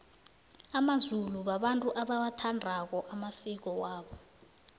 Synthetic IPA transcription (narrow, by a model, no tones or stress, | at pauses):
amazuluɓaɓantʼuʔaɓawatʰandʱak̬ɔʔamasik̬ɔwaːɓɔ